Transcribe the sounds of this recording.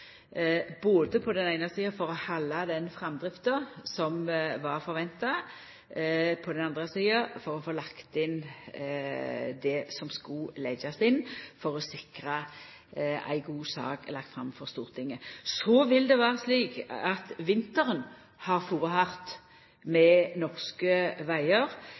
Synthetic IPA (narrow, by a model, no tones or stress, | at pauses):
boːd̪əpʰɔd̪ɛnæɪnəsiːɑfɔʁɔhɑlːɑd̪ɛnfɾɑmd̪ʁɪft̪əsɔmʋɑʁfɔɾʋɛnt̪ɑ | pʰɔd̪ɛnɑnd̪ʁəsiːəfɔɾɔfoːlɑkt̪ɪn | d̪ɛsɔmskʊlɛɡɑsɪnfɔʁɔsɪkʁə | ʔæ̰ɪɡuːsɑ̰ːklɑk̚t̪fɾʁɑ̰mfɔʁst̪uːʁt̪ʰɪŋːəsɔʋɪld̪ɛʋæːʁəsliːkɑt̪ʋɪnt̪əʁən | hɑʁfuːʁəhɑʁt̪ | mɛnɔʁskəʋæɪəʁ